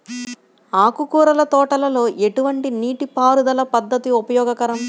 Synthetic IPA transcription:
aːkukuːɾɐlɐt̪ɔːʈɐlɐlo̞ːʔe̞ʈuʋɐɳʈiniːʈipaːɾud̪ɐlɐpɐd̪ːɐt̪iupɐjɔːɡɐkɐɾɐm

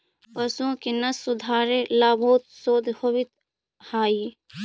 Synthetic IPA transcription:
pɐsõːkinɐsʊd̪ʱaːɾelaːboːt̪̚soːd̪ʱhoʋɪt̪ | haːi

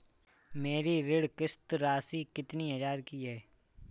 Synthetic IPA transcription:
meːɾiɾɪɽkɪst̪ɾaːsikɪt̪niəd͡ʒaːɾkiɦɛː

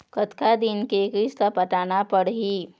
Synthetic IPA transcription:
kət̪kad̪inkekiskapəʈ̪aːnapəɽɦiː

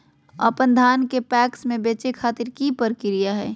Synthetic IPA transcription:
ə̰pənd̪ʱaːnkepɛːksmẽbeːt͡ʃekʰaːt̪ɪɾkipəɾkɪɾijaɦɛː

